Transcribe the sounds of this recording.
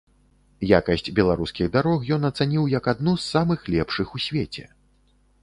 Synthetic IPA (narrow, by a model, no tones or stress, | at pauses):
jakɐsʲt͡sʲbʲɛlˠaɾuskʲiɣd̪aɾɔxjɔnɐt̪sanʲiwjɐkad̪nusːamɨxlʲɛpʂɨxusʲvʲet͡sʲɛ̰